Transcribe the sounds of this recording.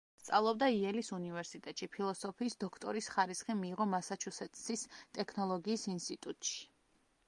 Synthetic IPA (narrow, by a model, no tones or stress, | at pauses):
st̪sʼa̰lˠɔbd̪aiɛlisunivɛɾsit̪ʼɛt̪ʼʃipʰilˠɔsɔpʰiːsd̪ɔkʰt̪ʼɔɾisχaɾisχimiːʁɔmasat͡ʃʰusɛt̪ʼsist̪ʼɛkʰnɔlˠɔɡiːsinst̪ʼit̪ʼut̪ʼʃi̥